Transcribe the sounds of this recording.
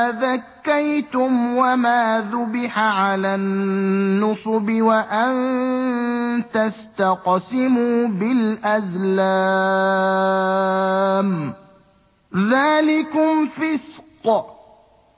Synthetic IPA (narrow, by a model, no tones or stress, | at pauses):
aðakːajt̪ʊmwamaːðʊbɪħaʕalaːnːʊsˤʊbɪwaʔan | t̪ast̪aqsɪmuːbɪlʔazlaː | m | ðaːlɪkʊmfɪsq